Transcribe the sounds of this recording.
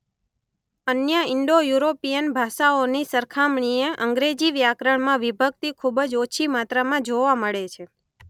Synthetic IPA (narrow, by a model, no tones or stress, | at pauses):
ənjəɪɳɖojuɾopijənbʱaʃaonisəɾkʰamɳieʔəŋɡɾed͡ʒiʋjakɾəɳmãʋibʱəɡ̚t̪ikʰubəd͡ʒot͡ʃʰimat̪ɾamãd͡ʒoʋaməɭet͡ʃʰe